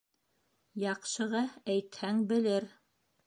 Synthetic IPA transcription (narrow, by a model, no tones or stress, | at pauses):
jɑqʃɤ̆ʁɑæjt̪hæŋbɘ̆lɘɾ